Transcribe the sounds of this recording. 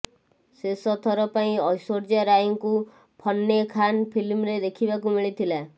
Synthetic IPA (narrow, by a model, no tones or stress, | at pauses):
sesɔt̪ʰɔɾɔpaĩɔjsoɾd͡ʒaɾajiŋku | pʰɔnːekʰanpʰilmɾed̪ekʰibakumiɭit̪ʰila